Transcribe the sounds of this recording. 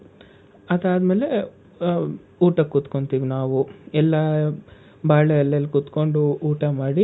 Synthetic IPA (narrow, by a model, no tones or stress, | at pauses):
ɐd̪aːd̪meːle | uːʈɐkːut̪koɳt̪iːʋinaːʋuɛlːɐ | baːɭɛjɐlːɐlːikut̪ko̞ɳɖuuːʈɐmaːɽi